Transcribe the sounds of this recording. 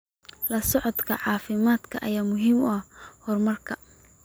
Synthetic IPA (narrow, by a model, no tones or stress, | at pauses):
lɐsɔʕɔd̪kʰɐ̰ʕɑːfɪmaːd̪kʰɐʔɐjaːmʊɦiːmʊɐhɔrmɐrkʰɐ